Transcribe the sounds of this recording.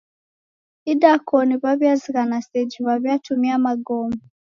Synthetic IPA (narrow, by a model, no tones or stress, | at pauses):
idakʰɔniβaβjaziɣanasɛd͡ʒiβaβjatʰumiamaɡɔmu